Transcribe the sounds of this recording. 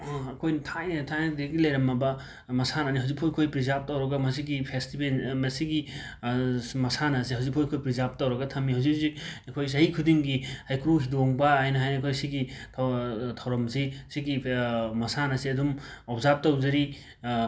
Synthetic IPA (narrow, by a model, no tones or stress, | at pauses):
ɐkʰojntʰajnɐtʰajnɐdeɡilɐjɾɐmːɐbɐ | mɐsanɐniɦawzik̚pʰojkʰojpɾizap̚tɐwɾɐɡɐmɐsiɡipʰestibʰelmɐsiɡi | mɐsanɐsiɦawzik̚pʰojkʰojpɾizap̚tɐwɾɐɡɐtʰɐmːiɦawzik̚ziɐkʰojs̬ɐhikʰudiŋɡihajkɾuɦidoŋbɐajnɐɦajnɐkʰojsiɡitʰtʰɐwɾɐmsisiɡimɐsanɐsiɐdumɔpʰzap̚tɐwzɐɾi